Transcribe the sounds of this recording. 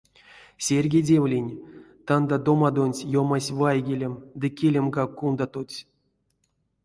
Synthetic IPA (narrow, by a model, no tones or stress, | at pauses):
sʲerʲɡʲedʲevlʲinʲt̪and̪ad̪o̞mad̪o̞nʲtʲjomasʲvajɡʲelʲemd̪ɨkʲelʲemɡakːund̪at̪ot͡sʲ